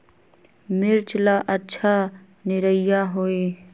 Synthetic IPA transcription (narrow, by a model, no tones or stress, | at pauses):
mɪɾt͡ʃlaʔətːʃʰa | nɪɾəɪjaɦoːiː